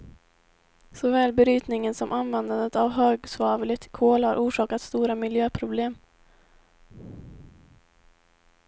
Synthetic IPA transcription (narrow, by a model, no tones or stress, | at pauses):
sɔvɛːlbɛɾyːt̪nɪŋənsɔmʔanvɛnd̪and̪ət̪avɦøːɡsvɑːvlɪt̪kʰoːlhaɾʔuːʂɑːkat̪st̪uːɾamɪljøːpʰɾʊbleːm